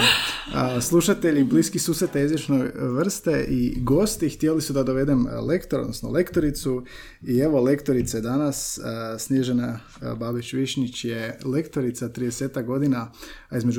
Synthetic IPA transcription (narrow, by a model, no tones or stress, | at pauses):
əslˠuʃat̪e̞ʎibliːskixsuːsɾet̪aizʋjet͡ʃnojʋr̩st̪e̞ʔiɡo̞st̪ixt̪ielisud̪ad̪oʋe̞d̪emlekt̪oɾod̪nosno̰le̞kt̪o̞ɾit̪su | ie̞ʋo̞le̞kt̪o̞ɾit̪sajed̪anassnjeʒena | babiʃʋiʃɲit͡ɕje̞le̞kt̪o̞ɾit̪sat̪ɾid̪ese̞ːt̪akɡo̞d̪inaizme̞d͡ʒu